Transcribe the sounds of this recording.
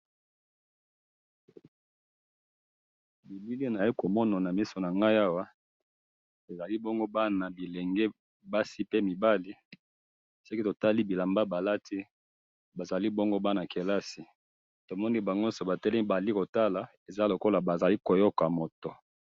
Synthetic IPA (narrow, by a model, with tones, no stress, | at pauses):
bi˨bi˦li˦˨na˨i˦ko˨mɔ˦na˨na˨mi˦so˨na˨ŋɡa˦ja˦wa˦ | e˨za˨li˦bɔ˦ŋɡo˦ba˦na˨bi˨lɛ˨ŋɡe˦ | ba˦si˦pe˦mi˨ba˦li˦ | so˦ki˦to˨ta˦li˦bi˨la˨mba˦ba˨la˦tʰi˦ | ba˨za˨li˦bo˦ŋɡo˦ba˦na˨ke˨la˦si˨ | to˨mɔ˦ni˦ba˨ŋɡo˦so˨ba˨tɛ˦lba˨li˦ko˨ta˦la˨ | e˨za˦lo˨ko˦la˨ba˨za˨li˦ko˨jɔ˦ka˨mo˨to˨